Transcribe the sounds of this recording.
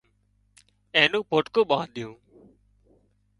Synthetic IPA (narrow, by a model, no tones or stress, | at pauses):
ẽːnũːpoːʈkoːɓãːɗ̪ɪjũː